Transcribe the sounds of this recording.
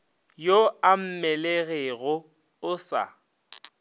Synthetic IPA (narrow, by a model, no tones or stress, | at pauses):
joam̩mɛleɣeɣʊ | ʊsa̰